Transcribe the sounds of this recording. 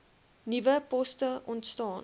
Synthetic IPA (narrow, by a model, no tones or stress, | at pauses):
nivəpɔstəʔɔntstɑːn